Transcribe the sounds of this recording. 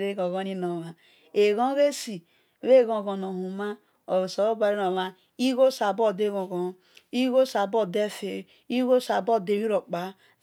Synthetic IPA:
ɾe˦ɡo˨ɣɔ˦ni˦no˨ma˨ | e˨ɣɔ̃˦ɾe˦si˨ | e˦˨ɣõ˨ɡɔ˨no˨hu˨ma˦ | o˨so˨o˦ba˨ɾi˦no˨ma˦ | i˦ɣo˦sa˨bo˦˨de˦˨ɣõ˨ɣɔ˨˦ | i˦ɣo˦sa˨bo˦˨de˦fe˨ | i˦ɣo˦sa˨bo˦˨de˨wi˦ɾo˨k͡pa˨

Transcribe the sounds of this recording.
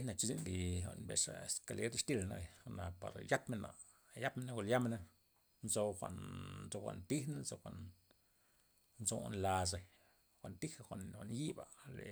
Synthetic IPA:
e˦na˧t͡ʃi˧zḭ˦nli˧xʷa̰˧˨ʔnbḛ˨ʂa̰˨e˨ska˧le˦ɾʂt̪i˦˧lna̰˧ja˧na˨pa̰˨ɾja˦pme˧na̰˨ | ja˦pme˧na˧ɡo˧˨lja˦me˧na˧ | nzo˧xʷa̰˨ʔnzo˧xʷa̰˧ʔnt̪i˦hna˦nzo˧xʷa˨ʔn | nzo˧nla˧s̬a˧ | xʷa˨ʔnt̪i˦xa˧xʷa˨nxʷa˨ʔnji˦ba˨lḛ˨

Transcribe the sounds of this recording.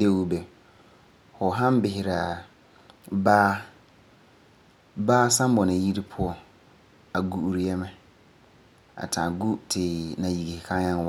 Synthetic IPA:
de˦wu˦bɛ˨ | hɔ˨ɦã˦m˦bɪ˨ɦɪ˨ɾa˨ | baː˦ | baː˦sã˦m˦bɔ˨nã˨ji˦ɾi˦pʰʊ˦ɔ˦ | a˨ɡu˨u˨ɾi˨jɛ˦mɪ̃˦ | a̰˨tʰã˨ɡu˦tʰɪ˨nã˨ji˨ɡi˨hi˨kʰã˦ɲã˦n˦wɔ˦

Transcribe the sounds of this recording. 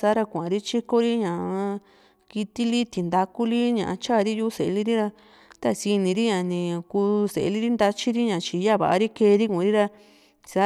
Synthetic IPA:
sa˦ɾa˧kʷa˨ã˨˧ɾi˦t͡ʃi˦ko˦ɾi˦ɲã˨a˧ | ki˧t̪i˦li˦t̪i˨nd̪a˧ku˦li˦ɲã˨ʔã˧t͡ʃa˦˨˧ɾi˦ju˦se˨˧li˦ɾi˦ɾa˧ | t̪a˦si˧nĩ˧ɾi˦ɲã˨nĩ˧kuː˧se˨˧li˦ɾi˦nd̪a˧t͡ʃi˦ɾi˦ɲã˨t͡ʃi˧ja˦˨βa̰˨ʔa˧ɾi˦ke˧˦˧ɾi˦kũ˨˧ɾi˦ɾa˧ | sa˦

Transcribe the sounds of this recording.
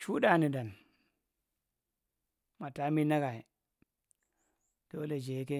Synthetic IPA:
t͡ʃu˦da˦˨ni˨da˨n | ma˨ta˨˦mi˦na˦ɡa˨i˨ | d̥o˦le˨d͡ʒe˨˦ke˦

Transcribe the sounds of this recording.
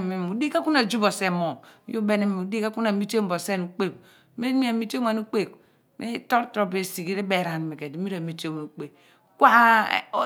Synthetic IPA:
me˨mu˨di˦ka˦ku˦na˨d͡ʒu˦bo˨se˨mo˨˦jo˦be˦ne˨m˨u˨di˦ka˦ku˦na˨mi˦t͡ʃe˦m˦bo˨se˦nu˦k͡pe˦˨k̚ | me˦mi˦a˨mi˦te˦ŋʷa˨nu˦k͡pe˦˨k̚ | me˦to˦ɾtɾo˨be˨si˨ɡi˦ɾe˦be˨ɾa˨n˨me˨ke˨di˨˦mi˦ɾa˨mi˦te˦we˨u˦k͡pe˨ | kʷa̰˦˨˦

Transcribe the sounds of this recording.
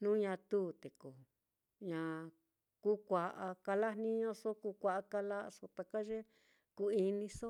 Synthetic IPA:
nũ˦ɲã˧t̪uː˦t̪e˨ko˨ | ɲã˧˨ | ku˦kʷa˨ʔa˧ka˧la˦nnĩ˦ɲõ˦so˦ku˧kʷa˧ʔa˧ka˧la˦˧so˧t̪a˧ka˦ʒe˦ | ku˧i˧nĩ˧so˦

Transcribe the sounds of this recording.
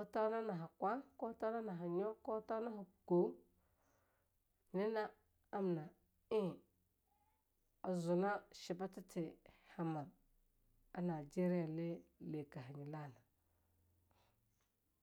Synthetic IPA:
o˦ta˦na˦na˨ɦa˨kʷa˦ko˦ta˦na˦na˨ɦa˨ɲo˦ko˦ta˦na˦ɦa˨ɡ̥o˨˦ | ne˦na˦ | a˦m˨na˨ | i˦˨ | a˨zu˨na˦ʃi˨ba˦ta˦tʰi˨ha˨ma˨ɾ | a˦na˨d͡ʒe˦ɾi˦ja˨le˦le˨ka˨ɦi˨ɲi˨la˦na˨

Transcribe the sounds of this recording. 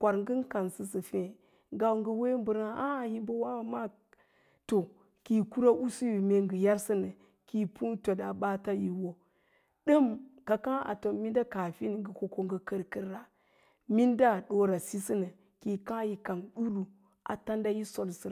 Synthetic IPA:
kʷa˨ɾŋɡɨ˦nka˨nsɨ˨sɨ˨fẽ˨ | ŋɡa˨wŋɡə˨we˦m˦bu˨ɾa˦a˦˨ji˦bə˦wa˦˨ma˦ | to˨ | ki˨ku˦ɾa˦ʔu˦si˦ji˨me˦ŋɡə˨ja˦ɾsɨ˦nɨ˨ | ki˨pu˦to˨da˨ba˦ta˦ji˨wo˨ | ɗɨ˦mka˨kã˦a̰˨to˨mi˦nda˦ka˨fi˦n˨ŋɡə˨ko˨ko˦ŋɡə˨kə˦ɾkə˦ɾːa˨ | mi˦nda˦˨ɗo˦ɾa˨si˦sɨ˦nə˨ | ki˨kã˦ji˨ka˨nɗu˦lu˨ | ʔa̰˨ta˦nda˦ji˦so˨lsɨ˨

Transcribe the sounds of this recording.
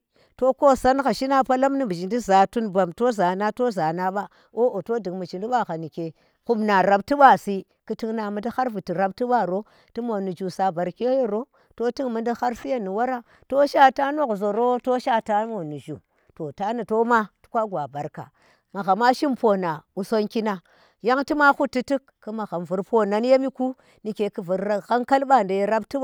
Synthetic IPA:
to˦ko˦˨sa˦nɣa˨ʃi˦na˦pa˦la˦mni˦˨bi˨d͡ʒi˨ndi˦za˨tu˦nba˨mto˦za˨na˦to˦za˨na˦ɓa˦ | o˦o˨to˦di˨ŋmu˨t͡ʃi˨di˦ɓa˦˨ɣa˨ni˨ke˨ | ku˦mna˨ɾa˨b̚ti˦ɓa˦˨si˦ | ki˦ti˦ŋna˨mu˨nda˦xa˦ɾvi˨ti˨ɾa˦b̚ti˦ɓa˦ɾo˦ | ti˦mo˨nu˨d͡ʒu˨sa˨ba˨ɾke˦je˦ɾo˦ | to˦ti˦ŋmi˦nda˦xa˦ɾsi˦ja˦˨ni˨wa˦ɾa˦ | to˦ʃa˦ta˦no˦kzo˨ɾo˦to˦ʃa˦ta˦mo˨nu˨ʒu˨ | to˨ta˨˦ni˨to˦ma˦tu̥˦kʷa˦ɡʷa˨ba˨ɾka̰˨ | ma˨ɣa˨ma˦ʃi˦mpo˨na˨u˦so˦nki˦na˦ | ja˦ŋti˦ma˦xu˦tːi˦ti˦kːɨ˦ma˨ɣa˨mvu˨ɾpo˦na˨n˦je˦mi˦ku˦ | ni˨ke˨kɨ˨vu˨ɾa˦ɣa˦ŋka˦lba˦˨nda˨je˨ɾa˦bti˦

